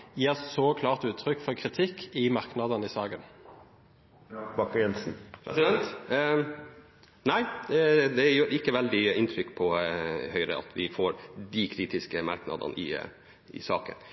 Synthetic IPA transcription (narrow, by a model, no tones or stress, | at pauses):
jiːʁsɔkʰlɑːʁt̪ʉːt̪ʰːɾʏkːfɔɾkʰɾɪt̪ʰɪkːɪmɑɾknɑd̪ənɪsɑːɡən | bɑkjɛnsn̩pʰɾɛsɪd̪ɛnt̪ | næɪd̪ɛjøːɾɪkːəʋɛld̪ɪɪnt̪ʰɾʏkːpʰɔhœʏɾə̰ɑ̰t̪ʰʋɪfoːɾd̪ɪkʰɾiːt̪ɪskəmɑɾknɑ̰d̪ə̰nəʔɪ̰ | ʔɪ̰sɑːkə̰n